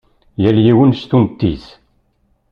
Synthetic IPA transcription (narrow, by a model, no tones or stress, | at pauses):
jæljiwənst̪umt̪ːḭθ